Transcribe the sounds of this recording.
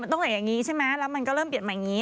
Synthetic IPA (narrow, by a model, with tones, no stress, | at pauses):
t̪o˧˦wt̪aː˨˩ja˨˩ŋi˨˦t͡ɕʰaː˧˥maː˨˦la˨˦mːi˨˩ŋkɔ˨˦ləː˦˥mɓi˨˩ət̚maː˨˩ŋi˨˦